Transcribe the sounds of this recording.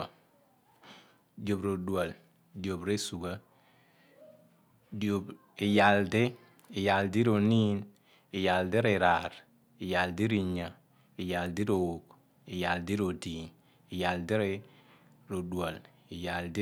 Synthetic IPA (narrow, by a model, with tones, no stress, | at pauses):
do˨bɾo˨du˨a˨l | do˨bɾe˦su˨ɡa˦ | do˨b | i˨ja˨lde˦ | i˨ja˨ldi˦ɾo˨niː˦n | i˨ja˨lde˦ɾe˨ɾa˨ɾ | i˨ja˨ldi˦ɾi˨ɲa˨ | i˨ja˨ldi˦ɾo˨wo˨k | i˨ja˨ldi˦ɾo˨di˨n | i˨ja˨lde˦ɾe˦ | ɾo˨dwa˨l | i˨ja˨ld